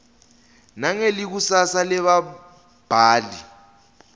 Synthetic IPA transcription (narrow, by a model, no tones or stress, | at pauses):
naŋelik̬usasalɛɓa | b̥ʱaːli